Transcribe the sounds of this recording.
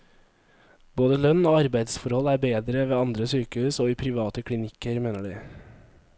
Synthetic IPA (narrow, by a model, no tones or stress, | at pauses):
boːd̪əlœnoːɑɾbæɪd̪sfɔɾhɔlæːbeːd̪ɾəʋeːɑnd̪ɾəsyːkəhʉːsoːiːpʰɾɪʋɑːt̪əkʰɽɪnɪkəɾmeːnəɖiː